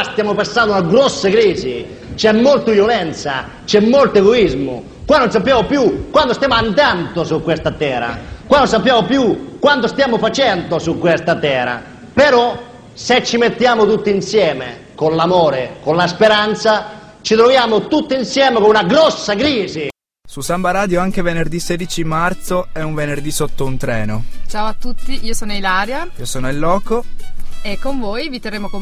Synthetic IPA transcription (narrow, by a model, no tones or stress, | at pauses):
st̪jaːmʊpasːand̪unaɡɾɔsːakɾiːzi | t͡ʃɛmːɔlt̪ʊvjolɛnt̪sa̰ | t͡ʃɛmːolt̪ʊɛɡoizmʊ̰ | kwanːonsapːjaːmopjukːwant̪ost̪jaːmʊant̪ant̪osukːwest̪at̪ɛːɾa̰kwanːons̬apːjaːmopjukːwant̪ost̪jaːmʊfat͡ʃɛnt̪osukːwɛst̪at̪ɛːɾa̰ | peɾɔ | set͡ʃːimet̪ːjaːmʊt̪ut̪ːinsjɛːmḛ | konlamɔːɾekonlaspeɾant̪sa | t͡ʃit̪ɾovjaːmot̪ut̪ːinsjɛːmekonunaɡɾɔsːaɡɾiːzi | susambaɾaːd̪joaŋk̟evenerd̪iseːd̪it͡ʃimart̪soɛuɱvenerd̪isot̪ːount̪ɾɛːnot͡ʃaːwoat̪ːut̪ːiʔiːosɔːnoilaːɾjaiːosɔːnoilːɔːkoekːoɱvɔːjvit̪ɛrːeːmoko